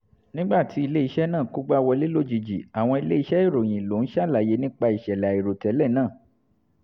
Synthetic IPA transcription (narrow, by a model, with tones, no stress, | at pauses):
nĩ˦ɡ͡ba˦˨tʰi˨˦i˧le˦i˧ʃɛ˦nãː˦˨ku˦ɡ͡ba˦wɔ˧le˦lo˦˨d͡ʒi˨d͡ʒḭ˨a˨w̃ɔ̃˧i˧le˦i˧˦ʃɛ˦i˦˨ɾo˨j̃ĩ˨lo˨˦n̩˦ʃa˦˨la˨je˨˧˦nĩ˦k͡pa˧i˨ʃɛ˨lɛ˨a˨i˨ɾo˨tɛ˨˦lɛ˦˨nãː˦˨